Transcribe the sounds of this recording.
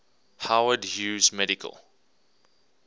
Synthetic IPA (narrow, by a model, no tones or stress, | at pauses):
hawədjuːzmɛɾikʰə̰lˠ